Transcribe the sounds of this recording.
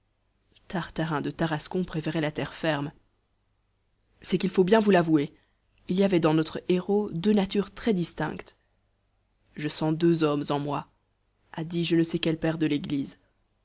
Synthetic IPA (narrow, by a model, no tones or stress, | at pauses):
t̪aʁt̪aʁɛ̃d̪ət̪aʁaskɔ̃pχefɛʁɛlat̪ɛʁfɛʁm | sɛkilfobjɛ̃vulavue | iliavɛd̪ɑ̃nɔt̪χeʁod̪ønat̪yʁt̪χɛd̪ist̪ɛ̰̃kt̪ | ʒəsɑ̃d̪øzɔmzɑ̃mwa | ad̪iʒənəsekɛlpɛʁd̪əleɡliz